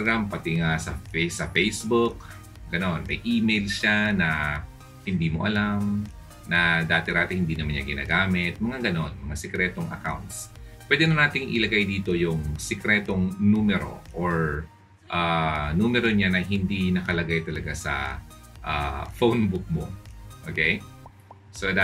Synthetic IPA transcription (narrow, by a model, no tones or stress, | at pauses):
ɡampɐt̪ɪŋasɐfsɐfɛjsbʊk̚ | ɡ̥ɐno̞nmɐ̰jʔiːmejlʃanɐ | hɪnd̪iːmo̞̰ʔɐlam | nɐd̪aːt̪ɛɾaːt̪ɪhɪnd̪iːnɐmanɲa̰ɡɪna̰ːɡaːmɪt̪̚mɐŋaɡɐno̞nmɐŋasɛkɾɛːt̪o̞ŋɐ̰kawnt̪s | pwɛːd̪ɛnɐnaːt̪ɪŋʔɪ̰lɐɡajd̪iːt̪o̞jʊŋsɛkɾɛːt̪oŋnuːmɛɾo̞̰ʔoɹ | ʔanuːmɛɾo̞ɲanɐɦɪnd̪inɐkɐlɐɡajt̪ɐlɐɡasɐ̰ | ʔa̰fownbʊk̚mo̰ʔoːkɛj | sod̪a